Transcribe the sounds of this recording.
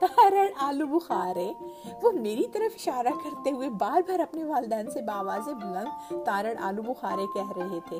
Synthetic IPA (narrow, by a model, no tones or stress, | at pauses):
t̪aːɾəɽaːlubʊxaːɾeʋomeːɾit̪ɐɾəfɪʃaːɾakɐɾt̪eɦʊebaːɾbʱaːɾɐpneʋaːlɪd̪ɛːnsebaːʋaːzebʱʊlɐ̃ŋɡt̪aːɾəɽʔa̰ːlubʊxaːɾekɛɦɾɐɦet̪ʰeː